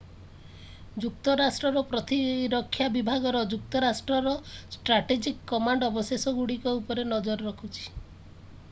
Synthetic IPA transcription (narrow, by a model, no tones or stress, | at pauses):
d͡ʒukt̪ɔɾasʈɾɔɾɔpɾɔt̪iɾɔkʰːjabibʱaɡɔɾɔd͡ʒuk̚t̪ɔɾasʈɾɔɾɔsʈɾaʈed͡ʒikːɔmaɳɖɔbɔsesɔɡuɽikɔupɔɾenɔd͡ʒɔɾɔɾɔkʰut͡ʃʰi̥